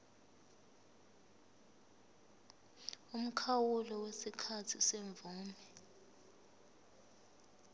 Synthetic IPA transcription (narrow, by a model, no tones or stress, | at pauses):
um̩kʰawulɔwesikʰatʰiseɱb̪vuːmɛ